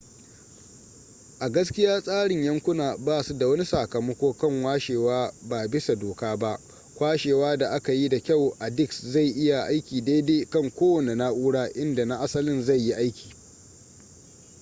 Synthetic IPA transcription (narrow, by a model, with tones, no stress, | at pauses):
ʔa˨ɡɐ˦skʲɪ˦jaː˦sʼaː˦ɽɪ˨ɲjɐ˦ŋkʷʊ˦naː˨baː˦˨su˦da˨wɐ˦ni˦saː˨kɐ˨mɐ˦kʷoː˦kɐ˦˨ŋwaː˦ʃeː˨waː˦baː˨bɪ˦sa˨doː˨kaː˦ba˦ʔ | kʷaː˦ʃeː˨waː˦da˨ʔa˦ka˨ji˦da˨kʲa˦˨wʔa˨dɪ˦˨ksza˦˨jʔɪ˦ja˨ʔa˦jkʲiː˨deː˦deː˦kɐ˦˨ŋkʷoː˦wɐ˨ne˨na˦ʔuː˦ɽaː˦ʔɪ˦nda˨na˦ʔa˦sɐ˦lɪ˦nza˦˨jːi˦ʔa˦jkʲʰi̥ː˨